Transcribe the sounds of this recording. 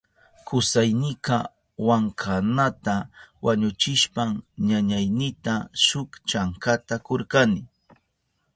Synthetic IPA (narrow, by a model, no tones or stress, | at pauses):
kʊsajnɪka | waŋkʰanat̪awʔaɲʊt͡ʃɪʃpamɲaɲajnɪt̪aʃʊkt͡ʃaŋkat̪akoɾkanɪ